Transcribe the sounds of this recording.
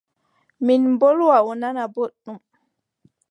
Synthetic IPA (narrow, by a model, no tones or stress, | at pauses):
minmbolwaɔnanaboɗːum